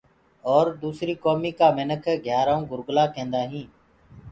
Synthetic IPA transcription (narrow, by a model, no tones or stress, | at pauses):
ɔːɾd̪uːsɾiːkoːmiːkaːmɪnəkʰɡʱjaːɾaːũːɡʊɾɡlaːkẽːnd̪aːɦĩː